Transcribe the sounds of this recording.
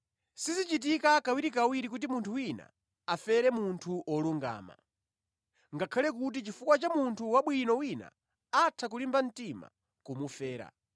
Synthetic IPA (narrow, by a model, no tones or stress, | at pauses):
sizit͡ʃit̬ikakawiɾikawiɾik̬ut̬imuntʰuwina̰ | afɛɾɛmuntʰuʔɔluŋɡa̰ːma̰ | ŋɡakʰalɛk̬ut̬it͡ʃifukwat͡ʃamuntʰuwaɓwinɔwina̰ | atʰakulimban̩tima̰ | kumufɛːɾa̰